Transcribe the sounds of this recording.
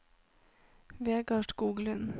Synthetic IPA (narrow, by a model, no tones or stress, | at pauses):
ʋeːɡɑʈɡuːɡlʉn